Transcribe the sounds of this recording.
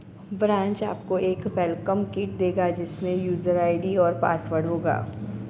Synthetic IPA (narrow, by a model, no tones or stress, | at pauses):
bɾãːɲt͡ʃa̰ːp̚koeːkʋɛːlkəmkɪːʈ̚d̪eːɡad͡ʒɪsmẽjuːzəɾaːɪɖiɔːɾpa̰ːsʋəɽɦoːɡa̰ː